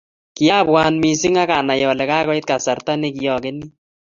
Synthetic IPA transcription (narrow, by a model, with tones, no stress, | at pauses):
ki˨ja˦˨bwaː˨˦nmi˨sɪ˦ŋa˦ka˨na˨jɔ˨lɛ˨ka˦kɔ˦ɪ˦t̪̚ka˨sa˨ɾt̪a˦ne˦ki˨jɔ˨kɪ˦ni˦